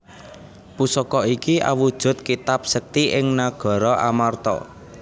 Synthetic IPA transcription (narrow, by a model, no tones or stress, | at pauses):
pusɔkɔikiʔa̰wud̥ʒ̥ʊ̤t̪̚kit̪ap̚sək̚t̪iʔɪŋnaɡ̥ɔ̤ɾɔʔa̰mart̪ɔ̰